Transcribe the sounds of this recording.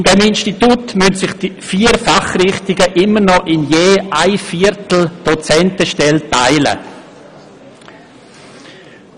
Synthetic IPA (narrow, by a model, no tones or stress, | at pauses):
ɪndɛmɪnʃtitutmʏntsɪχd̥ifiːəɾfaχrɪχtɪɡəʔɪməɾnɔʔɪnjeːaɪfiːɾtl̩d̥ot͡sɛntəʃtɛltaɪlə̰